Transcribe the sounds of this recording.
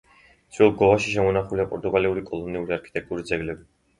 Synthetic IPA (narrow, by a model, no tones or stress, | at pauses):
sʰwɛlˠɡɔvaʃiʃ̬ɛmunaχuliapʼɔɾt̪ʼuɡaliuɾikʼɔlˠɔniuɾiaɾkʰi̥t̪ʼɛk̚t̪ʼuɾid̪zɛɡlɛbi